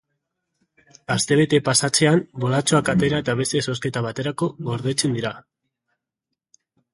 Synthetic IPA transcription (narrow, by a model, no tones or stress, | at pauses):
ast̪e̞β̞e̞t̪e̞pasat͡se̞ambo̞lat͡ʃo̞akat̪e̞ɾaet̪aβ̞e̞st̪e̞so̞s̬ke̞t̪aβat̪e̞ɾako̞ɣo̞ɾðe̞t͡se̞nd̪iɾa